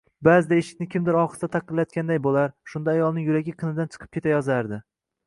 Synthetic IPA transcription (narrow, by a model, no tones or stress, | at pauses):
bazɪd̪aeʃɪ̥kʲnɪkʲʰɪmd̪ɪɾɒχst̪at̪ʰɑqɨɾlajɒt̪kʲand̪ajbolaɾʃʊnd̪aːjɒlˠnɪŋjʊɾaɡʲɪqʰɨnɪd̪ant͡ʃʰɨ̥qʰɨ̥p̚kʰʲe̞t̪ʰajɒzaɾd̪ɪ